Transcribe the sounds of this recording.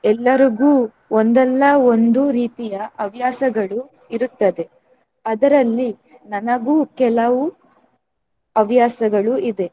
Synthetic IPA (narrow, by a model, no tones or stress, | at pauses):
ɛlːɐɾiɡuː | ond̪ɛlːɐo̞nd̪uɾiːt̪ijɐʔɐʋjaːsɐɡɐɭu | iɾut̪ːɐd̪e̞ | ɐd̪ɐɾɐlːi | nɐnɐɡuːkɛlɐʋu | ɐʋjaːsɐɡɐɭuid̪e̞